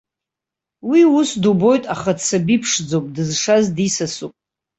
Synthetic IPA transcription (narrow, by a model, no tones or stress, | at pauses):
wiusdubo̞jtʼaχadt͡sʰabipʰʂd͡zowpʼdɨzʂazdisasupʼ